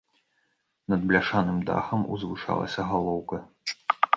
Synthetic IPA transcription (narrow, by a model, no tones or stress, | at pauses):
nɐd̪̚blʲaʂanɨmd̪a̰xɐmṵzvɨʂa̰lˠɐ̰sʲɐɣalˠɔwkɐ